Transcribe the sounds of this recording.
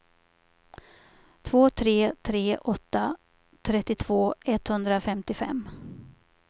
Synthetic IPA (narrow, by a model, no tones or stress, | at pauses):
t̪ʰvoːt̪ʰɾeːt̪ʰɾeːʔɔt̪ːa | t̪ʰɾɛt̪ːɪt̪ʰv̥oːɛt̪hɵnd̪ɾafɛmt̪ɪfɛ̰mː